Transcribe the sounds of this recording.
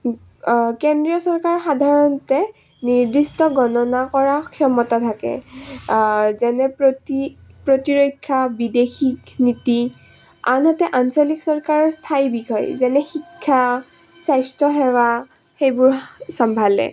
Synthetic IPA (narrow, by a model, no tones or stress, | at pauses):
kendɹiɔsɔɹkaɹɔxadʱaɹɔntɛ | niɹdistɔɡɔnɔnakɔɹakʰiɔmɔtatʰakɛ̰ | zɛnɛpɹotipɹotiɹojkʰːabidexikniti | anɦatɛʔansɔliksɔɹkaɹɔstʰajbikʰɔjzɛnɛxikʰːa | sajstɹɔɦɛwa | xejbʊɹsambʱalɛ̰